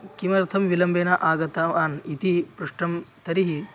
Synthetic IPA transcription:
kimɐɾt̪ʰɐmʋilɐmbeːnɐʔaːɡɐt̪aʋaːnit̪ipɾuʂʈɐmt̪ɐɾiɦi

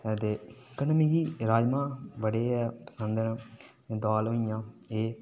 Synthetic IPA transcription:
t̪eːkənmiːɡiːɾaːd͡ʒmãːbəɽeːɛːpə̥sənd̪ən | d̪aːlɦõːijãːeː

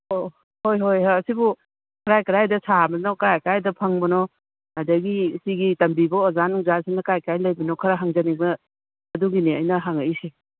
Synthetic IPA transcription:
o | hojɦojɦaɐsibu | kʰɐɾajkɐɾajdɐsabɐnokɾajkɾajdɐpʰɐŋbɐnɔ | ɐdɐɡisiɡitɐmbibɐozanuŋzasinɐkajkajlɐjbɐnokʰɐɾaɦaŋzɐnibɐ | ɐduɡiniɐ̰jnɐɦaŋɐisi

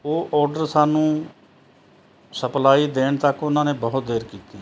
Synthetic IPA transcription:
oːʔɔːɾɖəɾsaːnũː | səplaːiːd̪eːɳt̪əkʊnãːnẽːbəɦʊt̪̚d̪eːɾkiːt̪iː

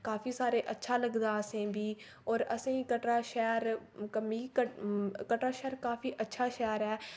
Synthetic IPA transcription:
kaːfʰiːsaːɾeːʔətːʃʰaːləɡd̪aːəsẽːbiː | ɔːɾəsĩːkəʈɾaːʃɛːɾkəmiːkəkəʈɾaːʃɛːɾkaːfʰiːʔətːʃʰaːʃɛːɾɛː

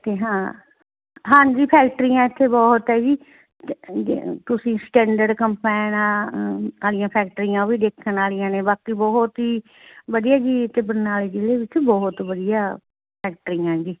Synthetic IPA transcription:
t̪eːɦãː | ɦãːnd͡ʒiːpʰɛːk̚ʈəɾiːãːɪt̪ʰːeːbɔːɦt̪ɛːd͡ʒiː | t̪ʊsĩːsʈɛ̃ːɳɖəɖkəmpaːɪnaːaːlijãːpʰɛːk̚ʈəɾiːãːʋiːd̪eːkʰːənaːlijãːneːbaːkiːbɔːɦʊt̪ɦiː | bəd̪ijaːd͡ʒiːt̪eːbəɾnaːleːd͡ʒɪleːʋɪt͡ʃbɔːɦʊt̪ʋəd̪ijaː | pʰɛːk̚ʈəɾiːãːd͡ʒiː

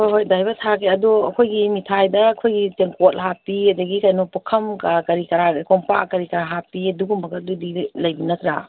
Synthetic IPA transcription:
oɦojdajbɐtʰakʰeɐduɐ̰kʰojɡimitʰajdɐːkʰojɡiteŋkot̚ɦapiɐdɐɡikɐjnopukʰɐmkakɐɾikɐɾakoŋpa̰kɐɾikɐɾaɦapiɐduɡumbɐɡɐdudilɐjbinɐtɾa̰

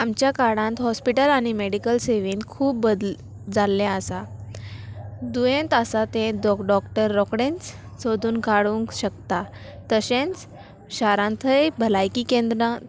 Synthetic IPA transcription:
amt͡ɕjakaɽãnt̪ɦɔspiʈəlaɽ̃imeɽikəlseʋinkʰuːpbəd̪ | d͡zalːjaəsa | d̪ujẽnt̪asat̪ẽd̪ɔkɖɔkʈəɾːɔkɽẽnt͡s | sod̪ʱuːnkaɽũŋkɕəkt̪a | t̪əɕẽnt͡s | ɕaɾãnt̪ʰəjbʱəlajkikẽnd̪ɾã

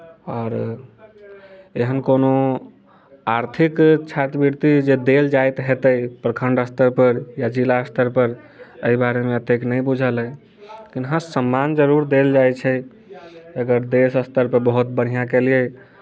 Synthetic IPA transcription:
ɔːɾ | eɦənkono | aɾt̪ʰikt͡ʃʰat̪biɾt̪id͡ʒed̪eld͡ʒajt̪ɦet̪əjpɾəkʰəɳɖəst̪əɾpəɾjad͡ʒilaəst̪əɾpəɾ | əibaɾemeət̪eknəjbud͡ʒʱələ | kinɦãsəmːand͡ʒəɾuɾd̪eld͡ʒajt͡ʃʰɛ | əɡəɾd̪esəst̪əɾpəɾbəɦut̪̚bəɽ̤ijãkelijə

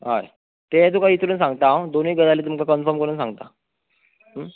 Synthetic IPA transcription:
ɦa̰ḛ | t̪et̪̬ukait̪ɾuːnsãŋɡt̪awd̪oniːɡəd̪aliːt̪̬umkakənfəɾmkəɾuːnsãŋɡt̪a | ɦ

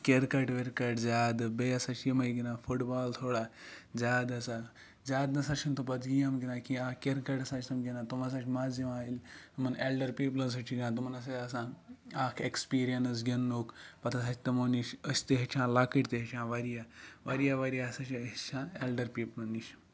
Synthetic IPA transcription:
kʲeɾkɐʈʋeɾkɐʈd͡zʲaːd̪beɐsat͡ʃʰimɐiɡʲinafʰuʈbaːlt̪ʰoːɽad͡zʲaːd̪ɐsa | d͡zʲjaːd̪nɐsat͡ʃʰint̪ʰɐpɐt͡sɡijɐmɡinaːkiaːkʲeɾkɐʈɐsat͡ʃʲsɐmɡʲinat̪umɐs̬at͡ʃʰmaːzɐmaːilt̪umɐnelɖɐɾpiːplɐns̬ɐt͡ʃʰiɡʲinãt̪̬umɐnɐs̬aɐs̬ãːaːkʰekspiːɾijɐns̬ɡʲenːukpɐt̪ʰɐsat͡ʃʰʲt̪emoniʃəsʲt̪eɦet͡ʃʰãːlakəʈʲt̪eɦet͡ʃʰãːʋaɾjaʋɐɾijaʋɐɾijasat͡ʃit͡ʃʰãːelɖɐɾpiːplɐniʃ

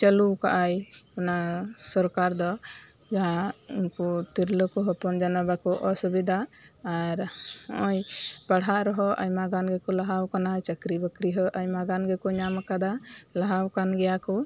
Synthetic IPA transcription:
t͡ʃəluka̰ʔajkɔnasɔɾkaɾd̪ɔ | d͡ʒaainkut̪iɾləkɔɦɔpɔnd͡ʒanabakɔʔɔsubid̪aaɾɔʔɔjpaɽɦaʔɾɔɦɔʔə̰jmaɡanɡɛkɔlaɦawkanat͡ʃəkɾibəkɾiɦɔʔajmaɡanɡɛkuɲamakad̪alaɦawkanɡɛjaku

